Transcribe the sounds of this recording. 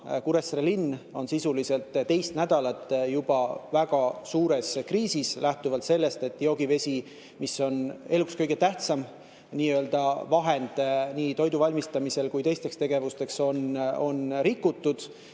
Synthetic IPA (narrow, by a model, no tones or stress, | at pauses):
kuɾe̞srelinːo̞nsisulise̞lt̪t̪ːe̞jst̪næd̪̥ɑlɑt̪ːˑjub̥ɑvæɡ̥ɑsuːɾe̞skriːsislæht̪uvɑlt̪se̞lːe̞st̪e̞t̪ːˑjo̞ːɡ̥ive̞sʲi | misːo̞ne̞lukskɤjɡ̥e̞t̪æht̪sɑm | niːø̞ld̪̥ɑvɑɦe̞nd̪̥niːt̪o̞jd̪uvɑlʲmist̪ɑmise̞lkujt̪e̞jst̪e̞kst̪e̞ɡ̥e̞vust̪e̞kso̞no̞nɾikːut̪ːˑud̪̥